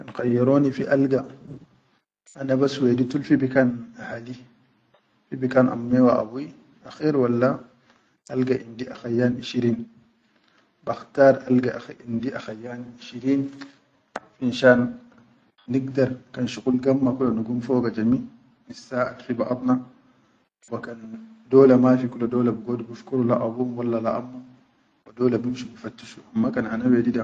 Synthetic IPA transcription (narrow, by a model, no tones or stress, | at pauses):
kanxajːaɾonifiʔalɡa | anabasweditulfibikanahali | fibikanʔa̰mːewaʔa̰bi | axeɾwalːa | ʔalɡaʔindiʔaxajaːniʃiɾiːn | baxtaːɾalɡaʔaxʔindiʔaxajːaːniʃiɾiːn | finʃaːnː | iɡ̚daɾkanʃukulɡamːakulanuɡumfɔɡad͡ʒami | nisːaatfibaʔabna | wakandɔːlamafikuladɔːlabuɡodbuʃkuɾulaʔabumwalːalaʔa̰mːa | wadɔːlabumʃubufatːiʃuʔamːakananawɛdida